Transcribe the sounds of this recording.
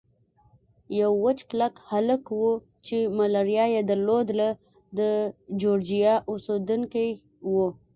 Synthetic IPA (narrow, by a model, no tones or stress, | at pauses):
jawːət͡ʃklakhaləkwu | t͡ʃemalaɾijɑjed̪aɾlod̪la | d̪əd͡ʒoɾd͡ʒijɑʔʊsod̪uŋkaj | wu